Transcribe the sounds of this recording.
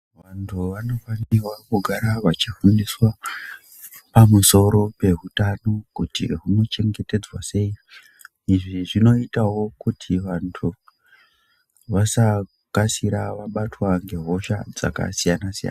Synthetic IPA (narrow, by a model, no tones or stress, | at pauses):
ʋantʰuʋano̞fanirwakuɡʱaɾaʋat͡ʃifundiswa | pamuso̞ɾo̞pe̞ɦutano̞kutḭɦuno̞t͡ʃe̞ŋɡe̞te̞d͡zwase̞i | iʐiʐino̞itawo̞kutʰiʋantʰu | ʋasa | kasiɾaʋaɓatwaŋɡe̞ɦo̞ʃa̰d͡za̰ka̰sijanasija̰na